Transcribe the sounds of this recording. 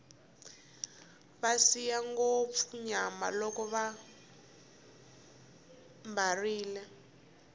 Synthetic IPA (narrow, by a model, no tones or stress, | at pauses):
βasijaŋɡop̪fuɲama̰lɔkɔβa | mbariːlɛ